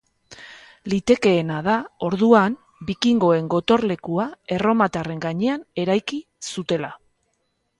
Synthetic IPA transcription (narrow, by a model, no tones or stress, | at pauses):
lit̪e̞ke̞ːnað̞ao̞ɾðuam | bikiŋɡo̞e̞ŋɡo̞t̪o̞ɾle̞kuae̞ro̞mat̪are̞ŋɡaɲe̞ane̞ɾajki | sut̪e̞la